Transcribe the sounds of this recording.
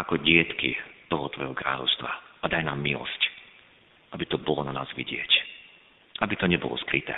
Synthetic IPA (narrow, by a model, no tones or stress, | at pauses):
akɔɟɪɛt̪kḭt̪ɔɦɔt̪ʋɔjɦɔkɾa̰ːʎɔ̰ʊst̪ʋaʔad̪ajnaːmːilɔ̰sc | ʔabit̪ɔbɔlɔnanaːzʋḭɟɪɛc | ʔabit̪ɔɲɛbɔlɔ̰skɾit̪ɛ̰